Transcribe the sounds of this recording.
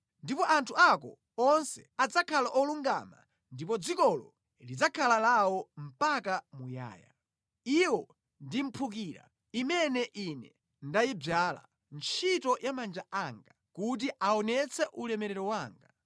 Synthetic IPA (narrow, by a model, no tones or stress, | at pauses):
ndipɔʔantʰuakɔ̰ | ɔnsɛ̥̰ad͡zakʰalaʔɔluŋɡa̰ma̰ | ndipɔd͡zikɔlɔ̰ | lid͡zakʰalalawɔm̩pakamuja̰ːja̰ | iwɔ | ndim̩pʰuk̬iɾa̰ | imɛnɛʔinɛ | ndajib͡ʐala̰ | nt͡ʃʰitɔjamand͡ʒaʔaŋɡa | kut̬iʔaɔnɛt͡sʰɛʔulɛmɛɾɛɾɔwaːŋɡa